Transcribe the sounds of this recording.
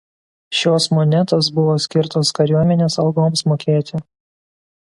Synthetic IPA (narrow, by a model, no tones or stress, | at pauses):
ʃʲoːsmɔnʲɛt̪os̬bʊʋoːsʲkʲɪɾt̪oːskɐɾʲuɔmʲɛnʲeːsɐlˠɡoːmsmoːkʲeːt̪ʲɪ